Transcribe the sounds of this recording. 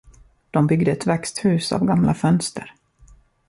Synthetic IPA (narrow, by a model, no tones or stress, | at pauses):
d̪̥ɔmbʏɡd̪əɛt̪vɛkst̪hʉ̟ːsa̰vɡamlafœnst̪ə̰ɾ